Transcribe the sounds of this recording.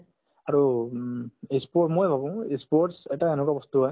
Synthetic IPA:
aɹu | ispomojbʱabũispoʈsɛʈaenukabɔst̪uɦɔj

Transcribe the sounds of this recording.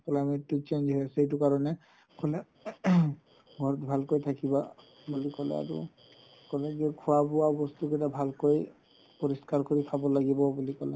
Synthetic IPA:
klametːit͡ʃend͡ʒɦɔjasɛejt̬ʊkaɹɔnɛ | kɔlɛ | ɡʱɔɹɔt̪bʱalkojt̪ʰakiba | bulikɔlɛ̰a̰ɹṵ | kɔlɛkɛkʰʊwapʊwabɔst̪uketabʱalkoj | pɔɹiskaɹkoɹikʰabɔlaɡibɔbulikɔlɛ̰

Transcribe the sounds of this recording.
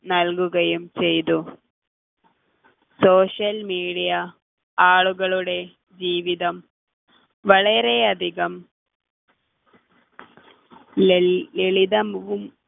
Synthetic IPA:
nɐlɡuɡɐjumt͡ʃejd̪u | soːʂɐlmiːɽija | aːɭuɡɐɭuɽe | d͡ʒiːʋid̪ɐm | ʋɐɭeɾeɐd̪iɡɐm | eɭid̪ɐmʋum

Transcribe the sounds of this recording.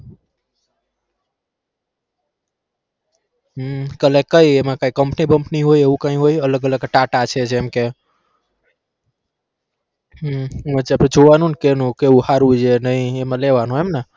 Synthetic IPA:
ɦkəlekːəiemãkaikəmpnibəmpniɦoieukãĩɦoiələɡələɡʈaʈat͡ʃʰed͡ʒemke | mət͡ʃeəped͡ʒoʋanũnkenũkeuhaɾud͡ʒenəĩemãleʋanũemna

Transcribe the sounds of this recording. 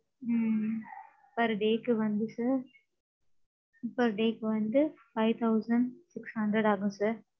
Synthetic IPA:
pɐɾɖeːkːɯʋɐnd̪ɯsaːɾ | pɐɾɖeːkːɯʋɐnd̪ɯfɐɪʋt̪ʰɐʊsɐɳɖsɪkshɐɳɖɾɛɽaːɡũsaːɾ

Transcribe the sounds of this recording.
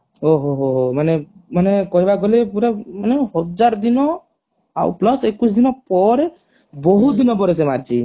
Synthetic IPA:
oɦoɦoɦomanemanekɔɦibaɡolepuɾemaneɦɔd͡ʒaɾɔd̪inɔ | a̰wplɔsekus̬d̪inɔpɔɾe | bɔɦud̪inɔpɔɾesemaɾt͡ʃʰi

